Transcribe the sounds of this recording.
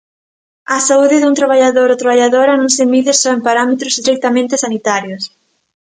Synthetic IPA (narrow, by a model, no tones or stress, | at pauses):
asauðɪðunt̪ɾaβaʎaðoɾot̪ɾaβaʎaðoɾanõŋsemiðɪsɔempaɾamet̪ɾozd̪ɾik̚t̪amẽnt̪ɪsanit̪aɾjos